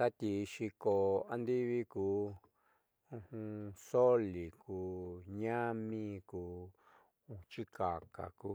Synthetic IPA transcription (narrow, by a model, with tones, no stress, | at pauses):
t̪a˦t̪ʲi˧ʃi˧ko˧a˧nd̪i˦βi˦kuː˨˦ | ũ˦˧hũ˧so˦li˨kuː˨˦ɲã˦mĩ˦˧kuː˨˦ | ũ˧t͡ʃi˦ka˨ka̰˨kuː˧˦